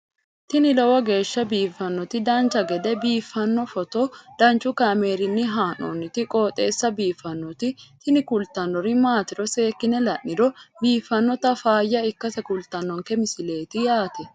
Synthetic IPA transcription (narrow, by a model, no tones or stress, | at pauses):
t̪ɪnɪlɔwɐɡe̞ːʃːɐbiːfːɐnːɔt̪ɪd̪ɐnt͡ʃɐɡɛd̪ɛbiːfːɐnːɔfɔt̪ɔd̪̥ɐnt͡ʃʼːʊkɐme̞ːɾɪnːɪɦaːno̰nːɪt̪ɪkʼoːt̪ʼe̞ːsːɐbiːfːɐnːɔt̪ɪt̪ɪnɪkʊlt̪ɐnːɔɾɪmaːt̪ɪɾɔse̞ːkːɪnɛlɐʔːɪɾɔbiːfːɐnːɔt̪ɐfaːjːɐɪkːɐsɛkʊlt̪ɐnːɔŋkɛmɪsɪle̞ːt̪ɪjaːt̪ɛ